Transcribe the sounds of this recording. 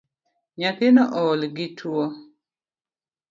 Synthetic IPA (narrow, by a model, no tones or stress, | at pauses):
ɲat̪ɪnɔʔɔːlɡɪtʰwɔ